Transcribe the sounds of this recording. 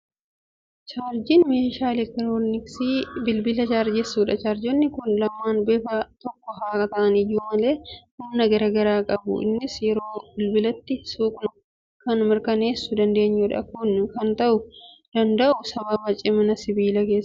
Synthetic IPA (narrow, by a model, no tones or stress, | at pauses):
t͡ʃaːɾd͡ʒɪnmeːʃaːlɛk̪ɐɾoːnɪksiːbɪlbɪlɐt͡ʃaːɾd͡ʒɛsːuːᶑɐt͡ʃaːɾd͡ʒɔnːɪkʊnlɐmːaːnbeːfɐt̪ɔkːɔɦaːkʼɐt̪ɐʔɐnɪjuːmɐle̞ːhʊmnɐɡɐɾɐɡɐɾaːkʼɐbʊ̰ʔɪ̰nːɪsjɛɾo̞ːbɪlbɪlɐt̪ːɪsuːkʼnʊ | kɐnmɪɾkɐne̞ːsːʊd̪ɐnd̪e̞ːɲːʊᶑɐ̰kʊnkɐnt̪ɐʔʊ | d̪̥ɐnd̪ɐʔʊsɐbɐbɐt͡ʃʼɪmɐnɐsɪbiːlɐke̞ːsːɐ̥